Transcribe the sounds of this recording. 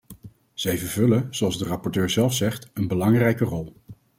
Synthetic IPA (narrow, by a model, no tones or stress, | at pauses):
z̥ɛjvəɹvɵləz̥oɑlˠzdərɑpɔɹtøːɹzɛlˠfsɛχtənbəlɑŋrɛjkərɔlˠ